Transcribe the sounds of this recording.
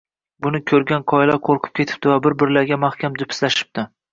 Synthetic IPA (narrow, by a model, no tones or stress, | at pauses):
bʊnɪkʲʰɵɾɡʲanqʰɒɪlɒqʰoɾqʰɨ̥p̚kʲʰe̞t̪ʰɪ̥p̚t̪ɪvabɪɾbɪɾlaɾɡʲamahkʲʰamd͡ʒ̪ʊpʰɪ̥slaʃɪ̥p̚t̪ʰɪ